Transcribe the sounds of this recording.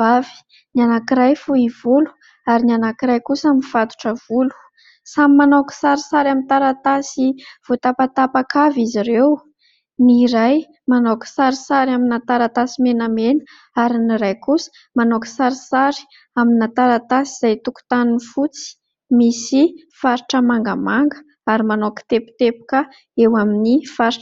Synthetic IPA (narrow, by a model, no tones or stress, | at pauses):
vavi̥ | nanakiɾajfuivulu̥ | aɾinianakiɾajkusəaminv̥at̪u̥ʈ͡ʂəv̥ulu̥ | samimanoku̥saɾisaɾamint̪aɾat̪asiv̥ot̪apat̪apakʰaviziɾew | niɾaj | manokə̥saɾisaɾaminat̪aɾat̪asimenamenə̥ | aɾiniɾajkusə̥ | manokə̥saɾisaɾi̥ | aminat̪aɾat̪asiz̥ajt̪uku̥t̪aninifut͡si̥ | misi | faɾiʈ͡ʂəmaŋɡa̰maŋɡə | aɾimanoki̥t̪epu̥t̪epu̥kə | ewaminifaɾiʈ͡ʂ